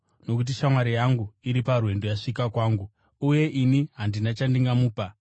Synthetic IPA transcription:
no̞kut̬iʃamwaɾijaŋɡuiɾiparwe̞ndojaʂikakwaːŋɡu | uje̞ʔiniɦandinat͡ʃandiŋɡamuːpa

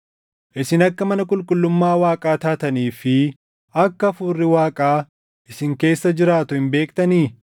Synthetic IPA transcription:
ʔɪsɪnɐkːɐmɐnɐkʼʊlkʼʊlːʊmːaːwaːkʼaːt̪aːt̪ɐniːfɪ | ɐkːɐɐfuːrːɪwaːkʼaː | ʔɪsɪŋke̞ːsːɐd͡ʒɪɾaːt̪ʊhɪmbe̞ːkt̪ɐniː

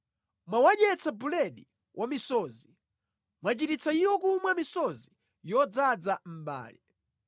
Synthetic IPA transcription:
mwawaɗɛt͡sabulɛɗi | wʔamisɔːzi | mwat͡ʃitit͡saiwɔkumwamisɔzi | jɔd͡zad͡zam̩ɓa̰ːli

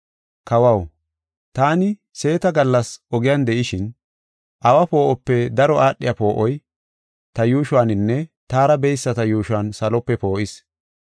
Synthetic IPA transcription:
kɐwɐw | t̪aːnɪ | se̞ːt̪ɐɡɐlːɐsʔɔɡɪjand̪ɛʔɪʃɪn | ʔɐwɐpo̞ːʔɔpːɛd̪ɐɾɔʔaːɗːɪjɐpo̞ːʔɔj | t̪ɐjuːʃʊwaːnɪnːɛt̪aːɾɐbɛjsːɐt̪ɐjuːʃʊwaːnsɐlɔpːɛpo̞ːʔɪs

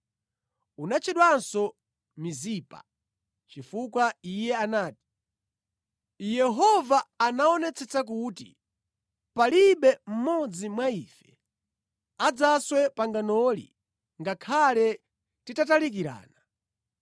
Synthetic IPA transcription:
unat͡ʃʰiɗwansɔ | mizipa̰ | t͡ʃifukwaijɛanaːti̥ | jɛɦɔvaːnaɔnɛt͡sʰɛt͡sak̬utḭ | paliɓɛm̩mɔd͡zimwaiːfɛ̥ | ad͡zaswɛpaŋɡanɔlḭ | ŋɡakʰalɛ | titatalik̬iɾa̰ːna

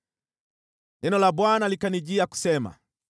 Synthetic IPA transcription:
nɛnɔlaɓwanalikaniʄiaku̥sɛma̰

